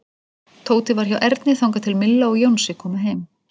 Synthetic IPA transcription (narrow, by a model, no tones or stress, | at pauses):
t̪ʰoːwt̪ɪvaɾ̥çawʔɛɾt̪nɪθawŋkat̪ʰɪlmɪlːaɔɣjownsɪkʰɔːmaɦejm